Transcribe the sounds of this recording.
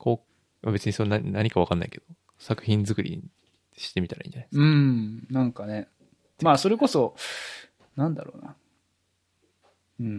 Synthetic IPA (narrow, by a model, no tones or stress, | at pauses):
koː | mabe̞t͡sɨɲ̟isonanaɲ̟ikaβakanːa̰ike̞d̪̥o | sakɯ̟̥çĩnd͡zɨkɯ̟ɾʲḭ | ɕi̥t̪e̞mʲit̪aɾa̰ʔḭ̃ɲd͡ʑanajeɯ̟̃nãŋkane̞ | maːso̞ɾe̞ko̞so̞ | nãnd̪a̰ɾo̞̰ːna̰ | ɯ̟̃